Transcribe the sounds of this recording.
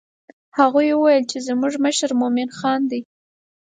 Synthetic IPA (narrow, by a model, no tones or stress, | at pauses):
haɣujwəwajəlt͡ʃezmuʐməʃaɾmomɪnxɑnd̪i